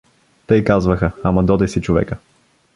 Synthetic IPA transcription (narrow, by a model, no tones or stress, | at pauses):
t̪ɤjkazvəxəɐmɐd̪ɔd̪ɛsit͡ʃovɛ̰kə